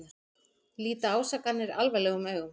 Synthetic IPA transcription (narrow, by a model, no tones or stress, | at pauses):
a | liːt̪aaːwsaːkanːɪɾa̰lvajlɛːɣʏmœːɣʏm